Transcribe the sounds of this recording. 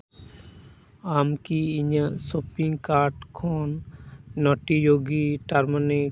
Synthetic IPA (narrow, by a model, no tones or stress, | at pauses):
amkiːɲasopiŋɡkaɾʈkʰɔnː | ɔʈijoɡiʈaɾmani